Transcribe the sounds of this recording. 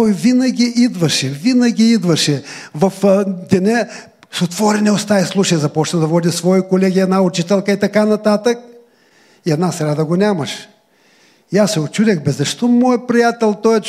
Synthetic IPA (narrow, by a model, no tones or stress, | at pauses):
t̪ɔjvinɐɡʲiʔid̪vɐʃɛvinɐɡʲiid̪vɐʃɛvɐfd̪ɛnʲɛ | sot̪vɔɾɛnɛost̪aislˠuʃɐjzɐpɔt͡ʃnɐd̪ɐvɔd̪ʲisvɔikolɛɡʲiɛd̪naʊt͡ʃit̪ɛlˠkəit̪ɐkanɐt̪at̪ək̚ | iɛd̪nasɾʲad̪ɐɡonʲamɐʃ | iasːɛot͡ʃud̪ʲɛxbɛzɐʃt̪ɔmɔjpɾijat̪ɛlˠt̪ɔjɛ